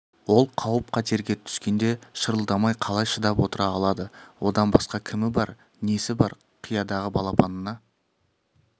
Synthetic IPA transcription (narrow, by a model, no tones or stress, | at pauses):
wo̞lˠqʰɑwəp̚qʰɑt̪ʰe̞ɾɡʲet̪ʰʏ̥skʲe̞nd̪e̞ʃəɾəlˠd̪ɑmɑjqʰɑlˠɑjʃəd̪ɑpwo̞t̪əɾɑːlˠɑd̪əwo̞d̪ɑnbɑsqɑkʲʰɪmɪbɑɾ | nesɪbɑɾ | qʰijɑd̪ɑʁəbɑlˠɑpʰɑnənɑ